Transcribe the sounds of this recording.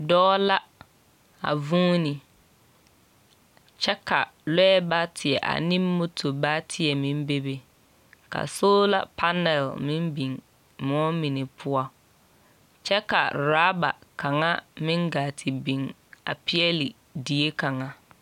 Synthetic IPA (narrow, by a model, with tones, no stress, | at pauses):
dɔː˦la˦ | a̰˨vũː˦ni˨ | t͡ʃɛ˦ka˨lɛ˦ɛ˦ba˦tʰɪ˨ɛ̰˨ʔa̰˨nĩ˦mːo˦tʰo˨ba˦tʰɪ˨ɛ˨mĩ˦mbe˦be˨ | ka̰˨soː˦la̰˦pʰa˦nɛ˨lmɪ̃˦mbi˨ŋ | mɔ˦mi˨nɪ˨pʰʊ˦ɔ˦ | t͡ʃɛ˦ka˨ɾaː˦ba̰˨ka˨ŋa˦mɪ̃˦ŋɡaː˨tʰɪ˨bi˨ŋ | a̰˨pɪ˦ɛ˦li˨ | di˨e˦ka˨ŋa˦